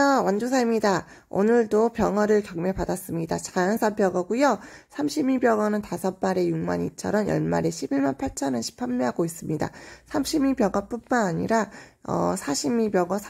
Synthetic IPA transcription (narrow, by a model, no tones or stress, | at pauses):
ʌwand͡ʑosʰaimɲida | o̰nɯɭdopjʌŋʌɾɯɭkjʌŋmepadas͈ɯmɲidat͡ɕajʌnsʰanpjʌŋʌɡujosʰamɕʰimibjʌŋʌnɯntasʰʌt̚maɾe̞juŋma̰ɲit͡ɕʰʌɾʌmjʌ̰ɭma̰ɾe̞ɕʰibiɭmanpʰaɭt͡ɕʰʌnɯnɕʰi̥pʰanmiɦaɡois͈ɯmɲida̰sʰamɕʰimipjʌŋʌp͈unmanaɲḭɾaʌ̰sʰaɕʰimibjʌŋʌsʰ